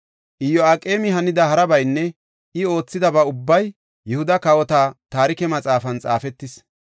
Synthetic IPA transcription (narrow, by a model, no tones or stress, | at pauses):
ʔɪjːɔakʼe̞ːmɪɦɐnɪd̪ɐhɐɾɐbɐjnːɛ | ʔɪo̞ːt͡sːɪd̪ɐbɐʊbːɐj | jɛhʊd̪ɐkɐwɔt̪at̪aːɾɪkɛmɐt͡sʼaːfɐnt͡sʼa̰ːfɛt̪ːɪs